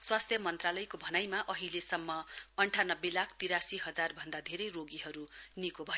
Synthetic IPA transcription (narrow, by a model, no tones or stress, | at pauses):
swast̪ʰjʌmʌnt̪ralʌjkobʱʌnajmaʔʌɦilesʌmːʌʌɳʈʰanʌbːelakʰt̪iɾasiɦʌd͡zarbʱʌnd̪ad̪ʱeɾʌjroɡiɦʌɾunikobʱʌj